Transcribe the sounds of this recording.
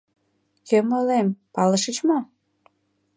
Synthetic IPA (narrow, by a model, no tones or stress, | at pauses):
kømolempɑləʃət͡ɕmo